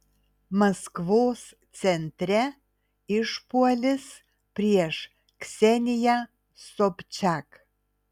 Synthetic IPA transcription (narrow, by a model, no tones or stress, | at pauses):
mɐskʋoːs | t̪sʲɛnʲt̪ʲɾʲɛ | ɪʃpuɔlʲɪs | pʲɾʲiɛʃ | ksʲɛnʲɪjɛ | sɔpʲt͡ʃʲak